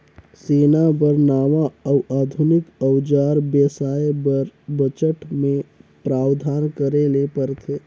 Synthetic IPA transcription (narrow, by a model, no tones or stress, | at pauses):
seːnabəɾnaːʋaəwʔaːd̪ʱunɪkəwd͡ʒaːɾbesaːebəɾbət͡ʃəʈmẽpɾaːwd̪ʱaːnkəɾelepəɾt̪ʰeː